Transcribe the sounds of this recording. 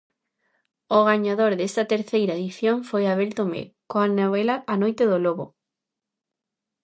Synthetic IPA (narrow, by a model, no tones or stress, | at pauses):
oɣaɲaðoɾðest̪ɐt̪eɾθejɾɐeðiθjoŋfojaβelt̪omḛkoanoβelɐʔanojt̪eðoloβʊ